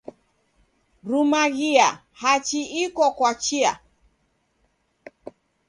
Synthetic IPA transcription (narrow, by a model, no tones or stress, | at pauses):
ɾumaɣia | hat͡ʃiikɔkwat͡ʃia̰